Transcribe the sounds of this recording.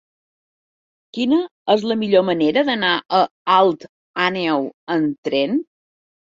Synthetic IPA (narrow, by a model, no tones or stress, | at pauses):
kinəəzləmiʎoməneɾəðənaʔəalˠt̪ | anɛwənt̪ɾen